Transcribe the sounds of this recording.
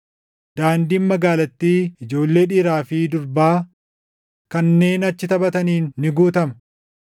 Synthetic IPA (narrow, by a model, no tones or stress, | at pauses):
d̪̥aːnd̪iːnmɐɡaːlɐt̪ːiːɪd͡ʒo̞ːlːe̞ːᶑiːɾaːfid̪ʊɾbaː | kɐnːe̞ːnɐt͡ʃːɪt̪ɐbɐt̪ɐniːnːɪɡuːt̪ɐmɐ